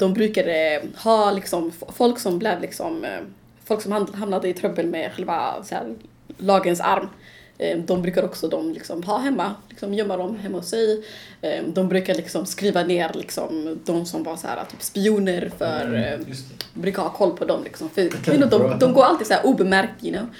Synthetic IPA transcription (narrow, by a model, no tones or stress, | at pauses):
d̪̥ɔmbɾʉ̟ːkad̪əhɑːlɪksɔmfɔlksɔmblɛːvlɪksɔ̰m | fɔlksɔmhaɦamnad̪əɪt̪ʰɾœbːəlmɛɧɛlva̰sæ̰ːɾ | lɑːɡənsa̰ɾm | d̪ɔmbɾʉ̟ːkad̪əɔksɔd̪ɔmlɪksɔmɦɑːɦɛmːalɪksɔmjœmːad̪ɔmɦɛmːahʊsːɛj | d̪ɔmbɾʉ̟ːkadəlɪksɔmskɾiːvaneːɾlɪksɔ̰md̪ɔmsɔmvaɾsæ̰ːɾa̰t̪ʰyːpspɪuːnəɾfœɾ | bɾʉ̟ːkahɑːkʰɔlːpʰɔd̪ɔmlɪ̰ksɔmfœɛnʊd̪ɔmd̪ɔmɡoːɾalt̪iːd̪sæːɾʔuːbɛmæɾk̚t̪ɪnːɔm